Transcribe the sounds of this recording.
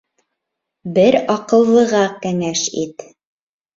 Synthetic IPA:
bɘɾɑqɤ̆lˠːɤ̆ʁɑkæŋæʃit̪

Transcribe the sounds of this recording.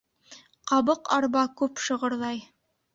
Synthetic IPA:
qɑβɤqɑɾbɑkʉpʃɤ̆ʁɤ̆ɾlˠɑj

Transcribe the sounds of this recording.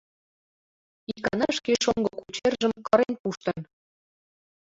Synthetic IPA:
ikɑnɑʃkeʃoŋɡɤkut͡ɕerʒə̆mkɤ̆ɾenpuʃt̪ə̆n

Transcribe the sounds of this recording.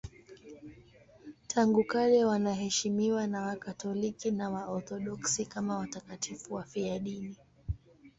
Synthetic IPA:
tʰaŋɡukalɛwanaɦɛʃimiwanawakatɔlikinawaɔɾθɔɗɔksikamawatakatʰifuwafiaɗini

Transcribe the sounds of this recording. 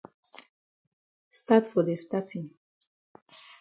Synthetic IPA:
st̪at̪fod̪est̪at͡sin

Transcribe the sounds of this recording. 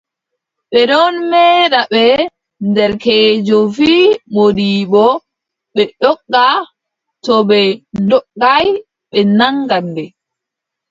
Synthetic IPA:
ɓɛɗɔnmɛːɗaɓɛ | ndɛɾkɛːd͡ʒɔfiːmodiːɓɔ | ɓɛɗɔɡːa | tɔɓɛdɔɡːaj | ɓɛnaŋɡandɛ

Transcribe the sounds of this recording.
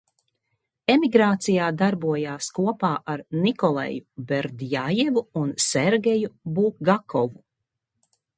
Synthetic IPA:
emiɡɾaːt̪sijaːd̪aɾbuɔjaːskuɔpaːʔaɾnikɔlˠɛ̰jubeɾd̪jajevuunseɾɡʲejubuːɡakɔvu

